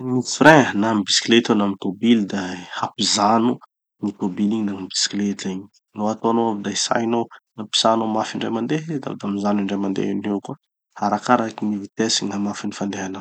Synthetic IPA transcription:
niiɾẽənambisklet̪onamit̪obild̪aapizanu | nit̪obiliɲinambi̥skletiɲi̥ | noat̪oanoavid̪aisa̰jnonapi̥sanomafiɳɖ͡ʐamand̪ed̪a̰vd̪amizaniɳɖ͡ʐajmand̪ḛineka | aɾakaɾakimivit̪esiɲamafinifand̪eɦana

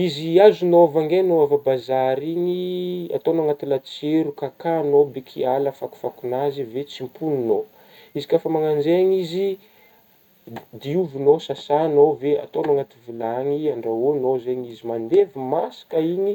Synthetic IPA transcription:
iziazunovaŋɡenoavabazaɾiɲia̰t̪onoaŋat̪ilat͡seɾukakanobekʰialəfaku̥fakunazivet͡simpunino | izikʲafamaŋand͡ʒeaɲizi | d̪iuvunosasanovea̰t̪onoaŋat̪ivilaŋiaɳɖ͡ʐaonozeɲizimand̪evimasḁkaiɲi

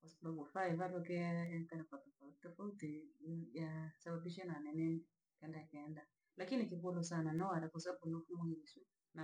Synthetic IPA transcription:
kwasababufaivatɔkɛaakanakwatɔfatɔfautijasabaɓiʃananɛnɛnɛ | kɛndaakɛnda | lakinikikulɔsananaɔaɾakwas̬ababunifumaŋɡisu | na

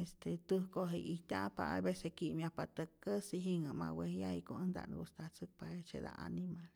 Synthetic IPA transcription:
est̪et̪ɨhkoɦeʔiht̪ʲapaajbesekiʔmjahpat̪əkːəsiɦiŋəmawehjajkoənd̪a̰ʔnbust̪at͡sɨk̚paet͡ʃed̪a̰ʔanimal

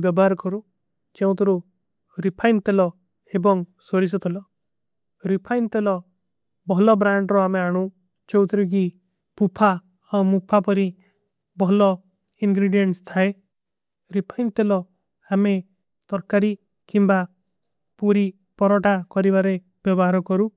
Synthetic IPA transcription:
bjɔbɔɦaɾkɔɾu | t͡ʃeũt̪ʰɔɾu | ɾipʰajnt̪elɔ | ebɔŋsoɾis̬ɔt̪ʰelɔ | ɾipʰajnt̪elɔ | bɔɦlɔbɾaɳɖɾɔameaɽ̃ũ | t͡ʃowt̪ʰɾuk̬i | pupʰa | ɔmupʰapɔɾi | bɔɦlɔ | iŋɡɾiɖijenʈst̪ʰae | ɾipʰajnt̪elɔ | ame | t̪ɔɾkaɾi | kimba | puɾi | pɔɾɔʈakɔɾibaɾe | bjɔbɔɦaɾɔkɔɾu

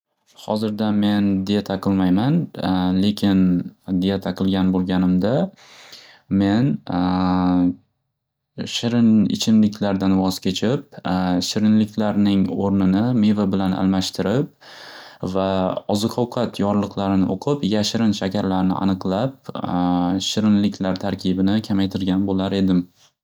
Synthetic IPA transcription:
hɒzɪɾd̪ame̞nd̪ejat̪ʰaqʰɨlˠmajmanle̞kʲʰɪnd̪ɪjat̪ʰɑqʰɨlˠɡʲanbolˠɡʲanɪmd̪a | me̞n | ʃɪɾɪnɪ̰t͡ʃʰɪnlɪkʲlaɾd̪anvɒz̥kʲʰe̞t͡ʃʰɪp̚ʃɪɾɪnlɪkʲʰlaɾnɪŋoɾnɪnɪme̞vabɪlanʔa̰lˠmaʃt̪ʰɪɾɪp̚ | vaɒzɨqʰɒwqʰɑt̪ʰjɒɾlˠɨqʰlˠaɾɪnɪʔoqʰɨpjaʃɾɪnʃakʲʰaɾlaɾnɪ̰ʔa̰nɨqlˠap̚ | ʃɪɾɪnlɪkʲʰlaɾt̪ʰaɾkʲɪbɪnɪkʲʰamajt̪ʰɪɾɡʲanbolaɾe̞d̪ɪm

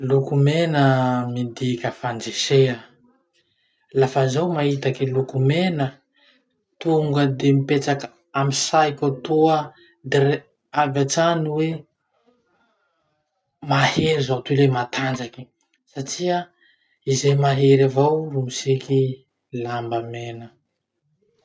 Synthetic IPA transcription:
lukumenəmind̪ikʲəfand͡zeʃea | lafazawmaɦit̪akilukumenə | t̪uŋɡəd̪emipet͡sak | amisajkʲat̪uə | d̪er | avat͡saniwe | maheɾizawt̪ulemat̪ʰand͡ʒaki̥ | saʈ͡ʂia | izemaɦeɾavawrumisiki | lambəmenə

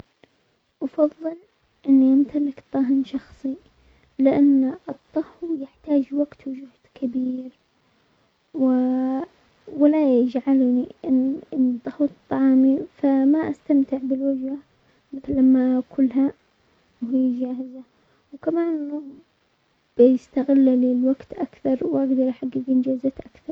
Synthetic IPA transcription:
ʔɑfɑðˤːɨl | ʔɪnːiʔamt̪ʰalɪkt̪ˤːɑːɦɪnʃɑxsˤi | lɪʔanːɨt̪ˤːɑhwjɪħt̪aːd͡ʒwaɡt̪wɪd͡ʒʊhd̪̥kʰɪbiːɾ | wɪ | wɪlajɪd͡ʒʕalniʔɪnnt̪ˤːɑhuwt̪ˤːɑʕɑːmifamaʔast̪amt̪ɪʕbɪlwad͡ʒha | mɪθɪlːamːaʔkʰʊlːɦa | wɦɪjːd͡ʒaːhɪza | wkamaːnɪlːʊː | b̥jɪst̪aɣɪlːalilwaɡt̪ʔakθɑɾˤwʔaɡd̪ɑɾˤʔaħaɡːɪɡɪnd͡ʒaːzat̪ʔakθɑɾˤ

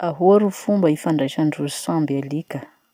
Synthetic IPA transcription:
aɦuaɾufumbəifaɳɖ͡ʐaʃaɳɖ͡ʐuzisãmbelikə

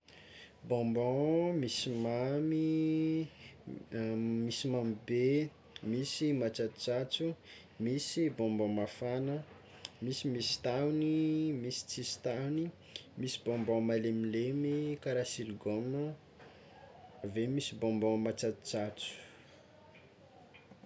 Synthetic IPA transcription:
bɔ̃mbɔ̃misimami | misimamibe | misimat͡sat̪u̥t͡sat͡su | misibɔ̃mbɔ̃mafanə | misimisi̥t̪animisi̥t͡sist̪ani | misibɔ̃mbɔ̃malemilemikaɾasilɡomə | avemisibɔ̃mbɔ̃mat͡sat̪u̥t͡sat͡su̥

